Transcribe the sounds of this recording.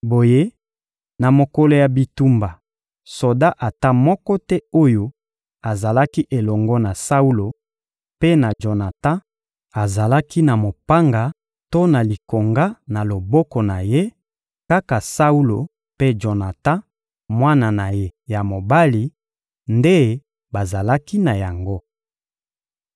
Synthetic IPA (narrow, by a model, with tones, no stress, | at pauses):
bo˨je˦ | na˨mo˨kɔ˦lo˨ja˨bi˨tu˦mba˨ | so˨da˦ʔa˨ta˦mɔ˦kɔ˦tɛ˦o˦jo˦ | a˨za˨la˦ki˦ʔe˨lɔ˨ŋɡɔ˦na˨sa˦u˦lo˨ | pe˦na˨ʒo˨na˨tã˦ | a˨za˨la˦ki˦na˨mo˨pa˦ŋɡa˨ | to˦na˨li˨ko˨ŋɡa˦na˨lo˨bɔ˦kɔ˨na˨je˦ | ka˦ka˨sa˦u˦lo˨ | pe˦d͡ʒo˨na˨tã˦ | mwa˦na˨na˨je˦ja˨mo˨ba˦li˨ | nde˦ | ba˨za˨la˦ki˦na˨ja˨ŋɡo˦